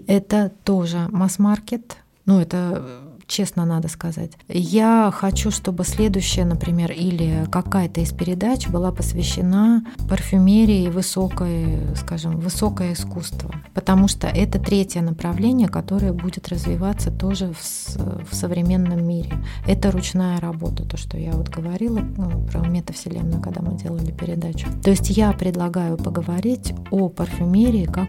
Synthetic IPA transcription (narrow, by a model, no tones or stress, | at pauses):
ɛt̪ət̪o̞ʐɨmɐsmarkʲɪt̪ | nuɛt̪ət͡ɕe̞snənad̪əskɐza̰tʲjaxɐt͡ɕuʂt̪o̞bɨsʲlʲe̞d̪ʊjɕːɪjənəpɾʲɪmʲe̞rilʲɪkɐkajət̪əɪspʲɪɾʲɪd̪at͡ɕbɨlˠapəsvʲɪɕːɪnapərfʲʊmʲeɾʲɪvɨso̞kəjəskaʐɨmvɨso̞kəjəɪskust̪və̰pət̪ɐmuʂt̪o̰ʔɛt̪ət̪ɾʲetʲjənəpɾɐvlʲenʲɪjəkɐt̪o̞ɾəjəbudʲɪt̪rəzvʲɪvat̪sət̪o̞ʐɨfsfsəvɾʲɪmʲe̞nːəmːʲiɾʲɪ̰ɛt̪əɾʊt͡ɕnajəɾɐbo̞̰t̪ə̥t̪o̞ʂt̪o̞̰javo̞t̪ɡəvɐɾʲilˠəpɾə̰mʲet̪əfsʲɪlʲḛnnːəkɐɡ̚d̪a̰mɨdʲe̞lˠəlʲɪpʲɪɾʲɪd̪at͡ɕʊ̥t̪o̞ɪsʲtʲjapɾʲɪd̪lˠɐɡajʊpəɡəvɐɾʲitʲopərfʲʊmʲeɾʲɪːkak